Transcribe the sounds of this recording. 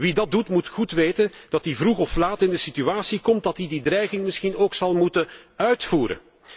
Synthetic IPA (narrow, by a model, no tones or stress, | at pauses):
ʋidɑt̚dutmutxutʋeːtənd̥ɑtivruɣɔflaːtɪndəsityaːsikɔmt̚dɑtididrɛjɣɪŋmɪsxinoːksɑlˠmutənœɥtfuːɾə̰n